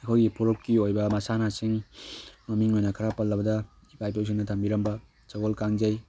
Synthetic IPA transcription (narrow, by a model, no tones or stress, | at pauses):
ɐkʰojɡipʰoɾokːiojbɐmɐsanasiŋmɐmiŋojnɐkʰaɾapɐlːɐbɐdɐ | ipʰajpews̬iŋnɐtʰɐmbiɾɐmbɐ | t͡ʃɐɡolkaŋd͡ʒɐj